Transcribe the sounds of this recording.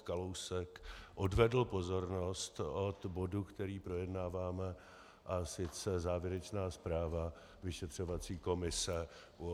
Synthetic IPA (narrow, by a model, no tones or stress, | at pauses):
kalowsɛkʔo̞dvɛdl̩po̞zo̞ɾno̞st̪ot̪bo̞dukt̪ɛɾiːpɾo̞jɛdnaːvaːmɛ | ʔasɪt͡sɛzaːvjɛɾɛt͡ʃnaːspɾaːva | vɪʃɛt̪r̝̥o̞vat͡siːko̞mɪsɛ